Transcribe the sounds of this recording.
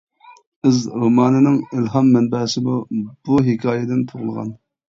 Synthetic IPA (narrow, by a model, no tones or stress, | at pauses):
ɨzɾomɑːnɨnɨŋilɦɑmːɛnbɛsɪmub̥uɦɪkʲʰɑːjɛd̪ɪnt̪ʰoʁʊlˠʁɑ̰n